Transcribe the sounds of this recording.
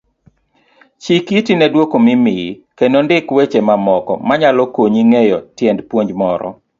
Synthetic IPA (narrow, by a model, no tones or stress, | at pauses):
t͡ʃikitinɛdwokomɪmɪkenondɪkwet͡ʃemamɔkɔ̰maɲalɔkoɲiŋejɔtjɛndpwoɲd͡ʒmɔɾɔ̰